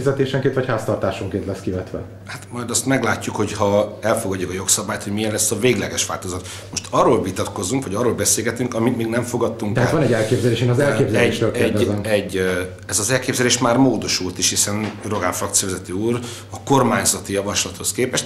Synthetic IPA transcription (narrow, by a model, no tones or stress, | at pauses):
izɛt̪eːʃɛŋkeːnt̪vɒchaːst̪ɒrt̪aːʃoŋkeːnt̪lɛskivɛt̪ʋɛ̰ | hat̪mɒjd̪ɒst̪mɛɡlaːcːukho̞chɒɛlfo̞ɡɒɟːukɒjo̞ksɒbaːjt̪ho̞ɟmijɛnlɛsːɒveːɡlɛɡɛʃʋa̰ːlt̪ozɒt̪ | mo̞ʃt̪ɒrːoːlvit̪ɒt̪ko̞zuŋkʋɒɟɒrːoːlbɛseːlɡɛt̪yŋkɒmit̪miːɡnɛɱfo̞ɡɒt̪ːuŋk̪ɛaːt̪ʋɒnɛɟːɛlkeːbzɛleːʃeːnɒzɛlkeːbzɛeɛʃt̪øːlkeɛrɟd̪zɛmɛɟː | ɛzɒzɛlkeːbzɛleːʃmaːrmoːd̪o̞ʃult̪iʃhisɛnro̞ɡaːɱfrɒkt̪sijɒvɛzɛt̪øːuːr | ɒko̞rmaːɲzɒt̪ijɒvɒʃlɒt̪ho̞skeːpɛʃt̪